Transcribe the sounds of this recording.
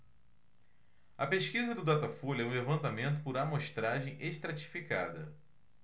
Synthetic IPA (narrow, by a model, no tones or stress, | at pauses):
ɐpeʃkizɐd̪ʊd̪at̪afolɛũlevɐ̃nt̪amẽnt̪̬ʊpʊɾamoʃt̪ɾaʒẽj̃ʔeʃt̪ɾat͡ʃi̥fika̰d̪ɐ̰